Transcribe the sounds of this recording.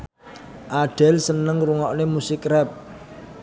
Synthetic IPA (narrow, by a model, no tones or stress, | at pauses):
ʔaɖ̥ɛ̤lsənəŋruŋɔʔnemusɪkrɛp̚